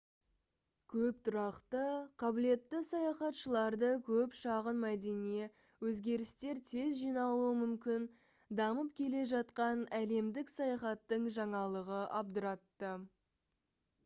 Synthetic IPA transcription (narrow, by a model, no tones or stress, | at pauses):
kʲʰɵp̚t̪ʰʊɾɑqt̪əqʰɑbɪle̞t̪ːɪsɑjɑχɑt̪ʃəlˠɑɾd̪əkʲʰɵpʃɑʁənmæd̪e̞nie | wɵzɡʲe̞ɾɪst̪e̞ɾt̪ʰe̞zʒijnɑlˠuəmʏmkʲɪn | d̪ɑməp̚kʲʰe̞le̞ʒɑt̪qɑnæle̞md̪ɪksɑjɑχɑt̪ːəɴʒɑɴɑlˠəʁəʔɑb̚d̪əɾɑt̪ːə